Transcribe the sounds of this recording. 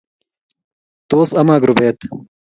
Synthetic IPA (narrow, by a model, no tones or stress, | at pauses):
t̪oːsɐmaːɡɾubeːt̪